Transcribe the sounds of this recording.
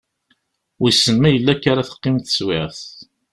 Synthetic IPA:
wisːənmæjəlːækːaɾaθə̥qːɪmt̪ə̥swɪʕθ

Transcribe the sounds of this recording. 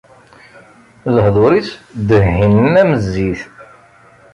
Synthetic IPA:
ləhðˤoɾisd̪əhhinæməzːiθ

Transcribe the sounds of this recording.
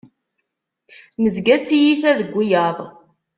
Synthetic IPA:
nəzɡæt͡sːijiθæðəɡʷːijɑðˤ

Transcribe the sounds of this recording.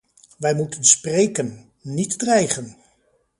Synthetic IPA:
ʋɛjmutənsprejkənː | itdrɛjχən

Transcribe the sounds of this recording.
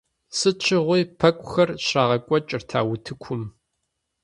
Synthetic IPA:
sɨt͡ʃʷʰɪʁʷʊjpʰɐkʷʼʊxɐrɕraːʁɐkʷʼɔt͡ʃʼɪrtʰa̰ːwʊtʰɨkʷʰʊm

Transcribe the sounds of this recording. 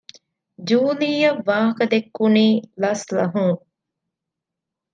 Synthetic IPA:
d͡ʒuːliːjɐʋːãːɦɐkɐd̪ekːuniːlɐslɐ̰ɦũː

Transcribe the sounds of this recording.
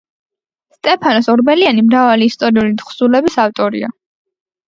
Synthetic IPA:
st̪ʼɛpʰanɔsɔɾbɛlianimɾavaliːst̪ʼɔɾiulid̪χsulɛbisaft̪ʼɔɾḭa

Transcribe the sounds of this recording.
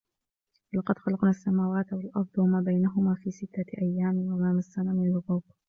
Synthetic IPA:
lɑqɑd̪xɑlɑqnaːsːamaːwaːt̪walʔɑɾˤd̪ˤwamaːbajnaɦʊmaːfiːsɪt̪ːaʔajːaːmɪʔamaːmasːanamɪnalʊɣuːb

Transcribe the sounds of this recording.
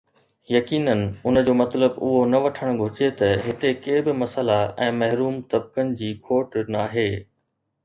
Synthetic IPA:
jɐkiːnənɪ̆ʊnəd͡ʑoːmɐt̪ləbʊɦonɐʋɐʈʰəɽ̃ɡʱʊɪd͡ʑet̪ɐɦɪt̪ekeːbɪmɐsəlaɛ̃ːmɐɦɾuːmt̪ɐb̚kənɪ̆d͡ʑiːkʰoːʈnaːɦeː

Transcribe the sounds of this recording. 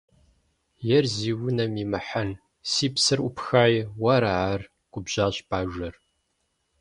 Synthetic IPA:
jɛrziːwʊnɐmimɨħan | siːpsɨrʔʊpxaːjwɐɾaʕar | ɡʷʼʊbʑ̥aːɕpʰaːʒʷɐr

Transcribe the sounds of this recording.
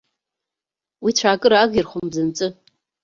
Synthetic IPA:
wit͡ɕʷʰaːkʼɨɾaaːɡʲirχʷʊmzɨnt͡sʼɨ

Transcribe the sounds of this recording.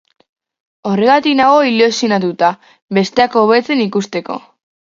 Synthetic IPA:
o̞re̞ɣ̞at̪iknaɣ̞o̞ilusionat̪̬ut̪a | βe̞st̪e̞ako̞βe̞t͡se̞nikust̪e̞ko̞̰

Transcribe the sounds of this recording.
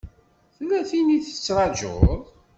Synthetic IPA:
θlːæθiniθə̥t͡sːɾˤɑd͡ʒʊ̰ðˤ

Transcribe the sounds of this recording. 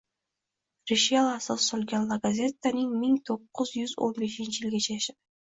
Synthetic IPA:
ɾiʃjalˠasɑsolʲɡʲenllːˠaɡazʲet̪ːaniŋmiŋt̪ʰo̞qːʊzjyzo̞̰nbe̞ʃint͡ʃijilʲɡʲet͡ʃʰejaʃap

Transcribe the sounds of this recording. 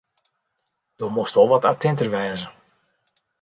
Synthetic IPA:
d̥ɔmostolˠʋɔtatʰɛntərʋɛːzə

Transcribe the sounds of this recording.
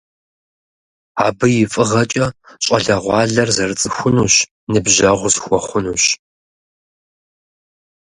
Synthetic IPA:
aːbɨjɪfʼɨʁɐt͡ʃʼɐɕʼɐɮɐʁʷɑːɮɐrzɐrɨt͡sʼɨxʷʊnuːɕ | nɨbʒɐʁʷʊzxʷɔχʷʊnuːɕ

